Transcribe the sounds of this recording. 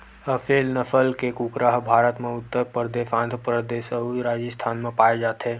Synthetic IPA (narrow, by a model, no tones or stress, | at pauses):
əfʰeːlnəfʰəlkekukɾaɦbʱaːɾət̪mẽʊt̪ːəɾpəɾd̪eːʃãːnd̪ʱəpɾəd̪eːʃəɾaːd͡ʒəst̪ʰaːnmẽpaːed͡ʒaːt̪eː